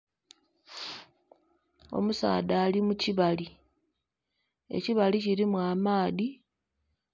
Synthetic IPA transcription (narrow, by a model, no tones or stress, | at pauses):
o̞̰musa̰ːdaːlimuciβali | e̞̰ciβaliciɾimwaːmaːði